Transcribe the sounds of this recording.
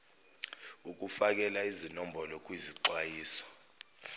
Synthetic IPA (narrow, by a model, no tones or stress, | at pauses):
uk̬ʼufak̬ʼɛlaizinɔmbʱɔlɔkʼwiziǀwajiːsɔ̥